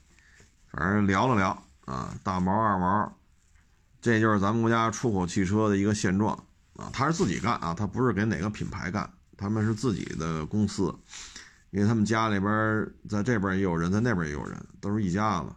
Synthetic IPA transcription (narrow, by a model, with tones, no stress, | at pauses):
fa̰˨˧˥ljɑ˧˥ʊlə˨ljɑ˧˥ʊ | ɐ̰˧t̪a˥˩mɔ˧˥ə˞˥˩mə˞˧˥ | ʈ͡ʂe˥˧˩t͡ɕjo˥˧ʊʂɻ̩˥˩t͡sa˧˥mə˨kwɔ˧˥t͡ɕja˥ʈ͡ʂʰu˥kʰo˨˩ʊt͡ɕʰi˥˩ʈ͡ʂʰɤ˥d̪ə˨i˧˥ɡə˧ɕjɛ˥˧nʈ͡ʂwɑ̰˥˩ŋ | ɐ̰˨t̪ʰa˥ʂɻ̩˥˧t͡sɹ̩˥˩t͡ɕḭ˨˩ka̰˥˩nʔɐ̰˨˩t̪ʰa˥pu˧˥ʂɻ̩˥˩ke˧˥ɪne˨˩ɪɡə˦pʰi˨˩npʰa˧˥ɪka̰˥˩˦n | t̪ʰa˥mə˨nʂ̬ɻ̩˥˧t͡sɹ̩˥˩t͡ɕḭ˨˩d̪ə˦kʊ˥ŋsɹ̩˥ | i˥nwe˥˧ɪt̪ʰa˥mə˨nt͡ɕja˥li˨˩bjə˥t͡sa˥˧ɪʈ͡ʂe˥˩ɪbjə˧˥˩jo˨ʊɻə˧˥nt͡sa˥˧ɪn˥˩bjə˞˧˩j̰jo̰˨˩ʊɻə̰˧˥nt̪o˥ʊʂɻ̩˥˧i˥˩t͡ɕja˥˩lə̰˩